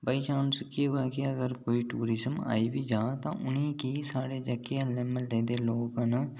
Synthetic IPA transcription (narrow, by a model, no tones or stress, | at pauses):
bəit͡ʃaːnsʊkieɦoɛːkiəɡəɾkoːiʈuːɾɪzəma̰ːibʱid͡ʒaːt̪ã̰ʔʊnẽkisaːɽed͡ʒəkːealɛ̃ːməld̪eːd̪eloːɡnə